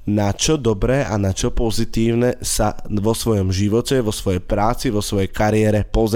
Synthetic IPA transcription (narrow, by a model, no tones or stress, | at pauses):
nat͡ʃɔd̪ɔbɾɛːʔanat͡ʃɔpɔzit̪iːʊnɛsaʋɔsʋɔjɔmʒiʋɔcɛʋɔsʋɔjɛjpɾaːt͡siʋɔsʋɔjɛjkaɾɪɛɾɛpɔz